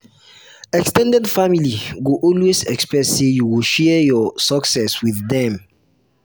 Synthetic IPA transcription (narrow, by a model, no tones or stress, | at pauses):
ɛkstɛ̃ndɛ̃dfamiliwuʔɔlwesɛ̰kspɹɛsːejuwilʃɛjɔsɔksɛswiðːɛ̃m